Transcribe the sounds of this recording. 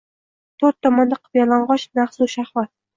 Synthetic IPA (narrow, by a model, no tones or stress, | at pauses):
t̪ʰoɾt̪ʰːɒmɒnd̪aqʰɨvjalaɴʁɒʃnaχsuʃahwat̪̚